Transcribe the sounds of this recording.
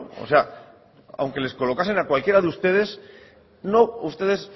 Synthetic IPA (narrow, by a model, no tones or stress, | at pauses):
o̰sea | a̰wŋke̞le̞sko̞lo̞kase̞nakwalkje̞ɾaðeust̪e̞ð̞e̞s | no̞ust̪e̞ðe̞s